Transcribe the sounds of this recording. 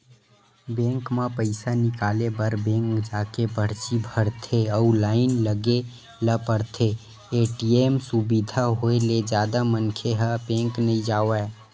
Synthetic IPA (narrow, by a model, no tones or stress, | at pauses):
bɛ̃ːŋkmãpəɪsanɪkaːlebəɾbɛ̃ːŋkd͡ʒaːkepəɽ̤t͡ʃibʱəɽt̪ʰeɔʊlaːɪnləɡe | ləpəɽt̪ʰe | eːʈiemsubid̪ʱaɦoeled͡ʒjaːd̪amənkʰeɦəbẽːŋknəɦĩd͡ʒaːoɛ